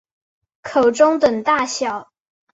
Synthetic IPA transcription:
kʰo˨˩ʊʈ͡ʂʊ˥ŋt̪ə˨˩ŋt̪a˥˩ɕjɑ˨˩˦ʊ

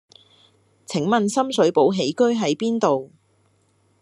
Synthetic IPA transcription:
t͡sʰɪ˨˩˥ŋmɐ˨nsɐ˥msɵ˨˥ɥpo˨˥wɦe˨˥jkɵ˥ɥɦɐ˨˥jpiː˥nt̪o˨w

